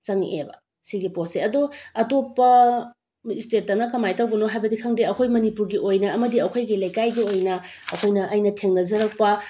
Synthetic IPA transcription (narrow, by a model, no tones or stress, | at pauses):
t͡ʃɐŋḛbɐ̰ | siɡiposeɐdoɐtopːɐ | istet̚ːɐnɐkɐmajtawɡɐnoɦajbɐdikʰaŋdeɐkʰojmɐnipuɾɡiʔojnɐɐmɐdiɐkʰojɡilɐjkajɡiojnɐɐkʰojnɐʔɐjnɐtʰeŋnɐzɐɾɐk̚pɐ